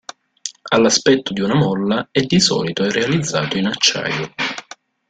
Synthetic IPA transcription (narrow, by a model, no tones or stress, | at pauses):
alːaspɛt̪ːod̪iunamɔlːaɛd̪ːisɔ̰ːlit̪oɛrʔealid̪zːa̰ːt̪oinat͡ʃːa̰ːjo